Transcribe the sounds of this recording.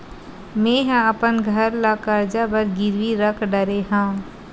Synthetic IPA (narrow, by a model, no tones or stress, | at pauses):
mẽːɦãəpənɡʱəɾlakəɾd͡ʒabəɾɡɪɾʋiɾəkʰɖəɾeɦãː